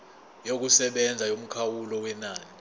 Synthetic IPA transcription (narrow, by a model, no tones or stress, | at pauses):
jok̬usɛɓɛnd͡zʱajom̩kʰawulɔwɛnaːni